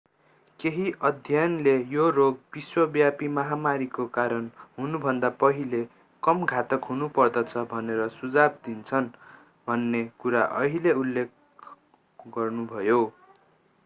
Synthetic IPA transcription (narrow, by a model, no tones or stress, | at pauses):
keɦiʔʌd̪ʱjanlejoroɡ̚b̥iswʌbjapimʌɦamaɾikokaɾʌnɦunubʱʌnd̪apʌɦile | kʌmɡʱat̪ʌkɦunupʌrd̪ʌt͡sʰʌbʱʌneɾʌsud͡zab̚d̪int͡sʰʌn | bʱʌnːekuɾaʔʌɦileulːek̚ | ɡʌrnubʱʌjo